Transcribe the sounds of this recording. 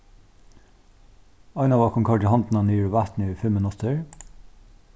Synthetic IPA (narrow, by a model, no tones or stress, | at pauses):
ɑɪnɑʋɑːkʰʊŋkʰɑʈəhɑnd̪n̩ɑniːɹʋæt̪nɪfɛmənɔt̪ʰəɹ